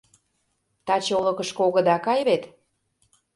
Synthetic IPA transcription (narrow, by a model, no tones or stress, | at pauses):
t̪ɑt͡ɕolɤ̆kə̆ʃkoɣə̆d̪ɑkɑjβet̪